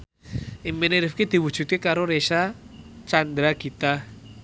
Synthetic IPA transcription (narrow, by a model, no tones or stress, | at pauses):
ʔimpineɾɪfkid̪̥i̤wud̥ʒ̥ṳt̪̚kekaɾoɾesat͡ʃand̪ɾaɡ̥i̤t̪a